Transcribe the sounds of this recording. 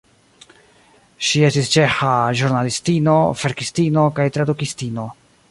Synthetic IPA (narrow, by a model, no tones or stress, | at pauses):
ʃie̞stist͡ʃe̞xaʒuɾnalistino̞feɾkistino̞kajtɾadukistino̞